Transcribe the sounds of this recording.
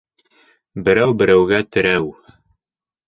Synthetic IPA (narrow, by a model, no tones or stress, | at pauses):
bɘ̆ɾæwbɘ̆ɾæwɡæt̪ɘ̆ɾæw